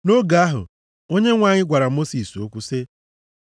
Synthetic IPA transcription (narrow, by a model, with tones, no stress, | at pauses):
no˦ɡa˨a˦ɦʊ̰˨ | o˦ɲe˦ŋʷaː˨ɲɪ˦ɡʷa˨ɾa˨mo˦si˨so˦kʷu˦se˦